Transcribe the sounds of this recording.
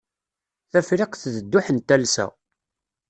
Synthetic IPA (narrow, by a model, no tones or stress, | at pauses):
θæfɾɪqθðəd̪ːʊħənt̪ːælsæ̰